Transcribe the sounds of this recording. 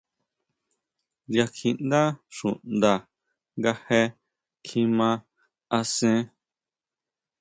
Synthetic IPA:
ja˧kʰĩ˧nd̪a˦ʂũ˨nd̪a˧ | ŋɡa˧he˧ | kʰĩ˧mã˧ | a˧sẽ˦

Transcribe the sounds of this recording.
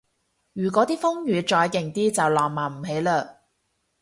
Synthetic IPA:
jyː˨˩kʷɔː˨˥t̪iː˥fʊ˥ŋjyː˨˧t͡ʃɔː˧jkɪ˨˩ŋt̪iː˥t͡sɐ˨wlɔː˨˩ŋmaː˨˩m̩˨˩ɦe˨˥jləː˧

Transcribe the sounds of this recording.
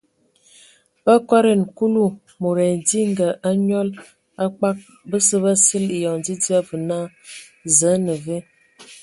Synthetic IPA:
b̥ə˦kwa˦ɾe˨n˨ku˦lu˦˨ | mo˨ɾɛ˨n˨di˦ŋ˦ɡə˨ʔa˦ɲɔ˦l | a˦k͡pa˦k̚ | bə˦sə˦bə˦sə˦li˨jɔ˨ŋdi˦di˦a˦və˨na˦ | zə˨˦nə˨ve˦

